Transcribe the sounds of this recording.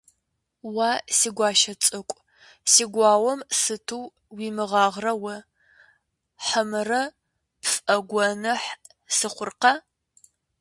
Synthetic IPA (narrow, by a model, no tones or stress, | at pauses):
wasiːɡʷɑːʃɐt͡sʼɨkʷʼ | siːɡʷɑːwɔmsɨtʰuː | wiːmɨʁɑːʁrɐwɐ | ħəmɨrɐ | pfʼɐɡʷɔnɨħ | sɨχʷʊrqɐ